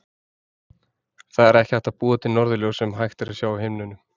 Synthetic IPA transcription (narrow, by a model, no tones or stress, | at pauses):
θaðɛɾɛhcɪ̥hɛht̪apuːðat̪ʰɪnɔɾðʏljowsɛmɦajxt̪ɪɾasjaːwhɪmnʏnʏ